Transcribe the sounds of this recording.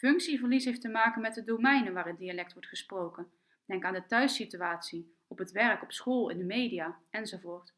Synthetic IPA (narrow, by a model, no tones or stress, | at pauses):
fɵŋksivəɹlisɦejftəmaːkənmɛt̚dədomɛjnənʋaːɾədialɛk̚tʋɔɹtχəsprowkən | d̥ɛŋkaːndətœɥsityaːtsi | ɔpətʋɛrkɔpsχolˠɪ̰ndəmejdijaːɛnzovoːɹt